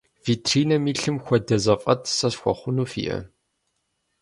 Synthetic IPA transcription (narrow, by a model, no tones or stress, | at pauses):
viːtʰriːnɐmiːɬɨmxʷɔdɐzɐfʼɐtʰsɐsxʷɔ̰χʷʊnuːfḭːʔɐ̰